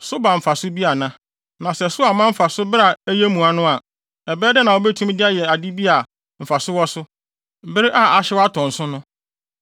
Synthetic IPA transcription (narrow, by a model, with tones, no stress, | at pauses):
sʊ˦ba˨m̩˨fa˨sʊ˦bi˦a˨nã˦ | nã˨sɛ˨sʊ˦a˨mã˦m̩˦fa˨sʊ˦bɾa˨æ˦je˦mũ˨a˨nʊ̃˦a˨ | ɛ˨bɛː˦dɛ˦nã˨wɔ˦bɛ˦tʰũ˦m˦dɪ˦a˦jɛ˨a˨di˦bi˦a˨ | m̩˨fa˨sʊ˦wɔ˦sʊ˦ | m̩˨bɪ˦ɾɪ˦ʔa˦a˨ɕɪ˦wa˦tʰɔ̃˨n̩˨sʊ̃˦nʊ̃˦